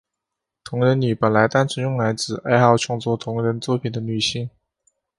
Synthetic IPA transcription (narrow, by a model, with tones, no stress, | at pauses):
t̪ʰʊ˧˥ŋɻə˧˥nny˨˩pə˨˩nla˧˥ɪt̪a˥˩nʈ͡ʂʰə˧˥njʊ˥˩ŋla˧˥ɪt͡sɹ̩˨˩a˥˧ɪxɑ˥˧ʊt͡ɕʰɑ˥˧ŋt͡swɔ˥˩t̪ʰʊ˧˥ŋɻə˧˥nt͡swɔ˥˩pʰi˨˩nd̪ə˦ny˨˩ɕi˥˩n